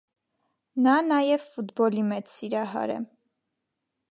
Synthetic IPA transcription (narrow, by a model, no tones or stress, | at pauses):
nɑnɑjɛvfut̪bɔlimɛt͡ssiɾɑɦɑ̰ɾɛ̰